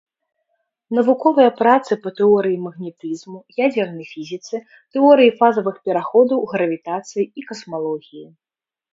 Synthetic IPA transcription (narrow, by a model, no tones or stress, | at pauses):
nɐvukɔvɨjɐpɾat̪sɨpɐt̪ɛɔɾɨjimɐɣnʲɛt̪ɨzmujad͡zʲɛrnɐjfʲizʲit̪sɨ | t̪ɛɔɾɨjifazɐvɨxpʲɛɾaxɔd̪ɐwɣɾɐvʲit̪at̪sɨjiikɐsmalˠɔɣʲiji